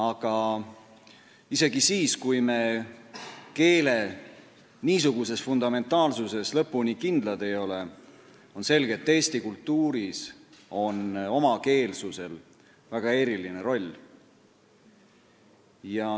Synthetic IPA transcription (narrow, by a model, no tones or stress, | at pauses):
ɑɡ̥ɑ | ise̞ɡ̥isiːskujme̞ | ke̞ːle̞ | niːsuɡuse̞sfund̪ɑme̞nt̪ːˑɑːlsuse̞slɤ̞pːunikind̪̥lɑd̪e̞jo̞le̞ | o̞nse̞lɡ̥et̪ːe̞ːst̪ikult̪ːˑuːɾiso̞no̞mɑke̞ːlsuse̞l | væɡ̥ɑe̞ɾiline̞ɾo̞lʲː | jɑ